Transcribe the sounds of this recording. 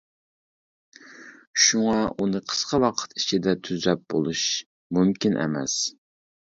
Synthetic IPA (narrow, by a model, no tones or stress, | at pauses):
ʃuŋɑunɨqʰə̥sqʰɑwɑqʰə̥t̪it͡ʃʰid̪ɛt̪ʰyzɾɛp̚bo̰lˠuʃ | mumkʲinʔɛ̰mɛ̰s